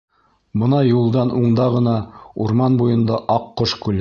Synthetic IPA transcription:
bɤ̆nɑjulˠd̪ɑnʔuɴd̪ɑʁɤ̆nɑuɾmɑnbujɤ̆nd̪ɑʔɑqːoʃkʉlæ

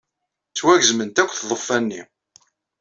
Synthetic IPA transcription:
t͡sːwæʝzmənt̪ækʷːθðˤəfːænːḭ

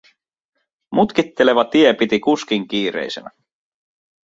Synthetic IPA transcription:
mut̪kit̪ːe̞le̞ʋɑt̪iepit̪ikusk̟iŋk̟iːɾḛjsḛnæ

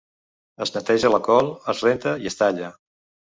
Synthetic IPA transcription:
əznət̪ɛʒələkɔlˠəzrent̪əiəst̪aʎə

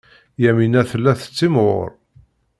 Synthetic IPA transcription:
jæminæθəlːæθə̥t͡sːimʁʊ̰ɾ

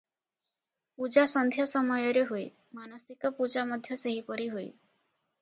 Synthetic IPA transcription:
pud͡ʒasɔnd̪ʱjɔsɔmɔjɔɾeɦoe | manɔsikɔpud͡ʒamɔd̪ʱjɔseɦipɔɾiɦoḛ

